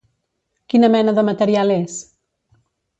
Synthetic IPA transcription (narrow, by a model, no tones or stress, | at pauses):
kinəmɛnəðəmət̪əɾiales